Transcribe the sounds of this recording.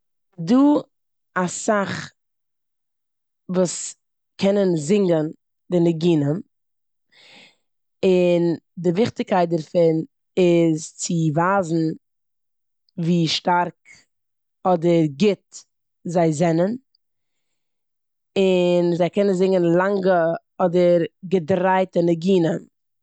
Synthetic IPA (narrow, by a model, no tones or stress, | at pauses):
duː | asaχ | vuːs | kʰɛnənzɪŋɡən | dɪnɪɡiːnən | ɪndɪvɪχtɪkʰaɪt̚dɛɾfɪn | ɪzt͡sɪvaːzn̩ | viːʃtaɾk | ɔdəɾɡɪt | zaɪzɛnən | ɪnzaɪkɛnənzɪŋɡənlˠaŋɡə | ɔdəɾɡədɾaɪtənəɡiːnən